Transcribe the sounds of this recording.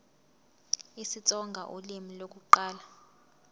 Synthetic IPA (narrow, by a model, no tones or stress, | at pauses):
isit͡sʼɔŋɡʱa̰ʔolimilok̬ʼuǃaːla